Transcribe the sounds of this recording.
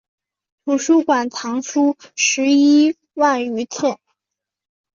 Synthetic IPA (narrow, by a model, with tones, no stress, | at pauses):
t̪ʰu˨˩ʂu˥kwa˨˩nt̪ʰɑ˧˥ŋʂu˥ʂɻ̩˧˥i˥ | wa˥˩ny˧˥t̪ʰɛ˥˩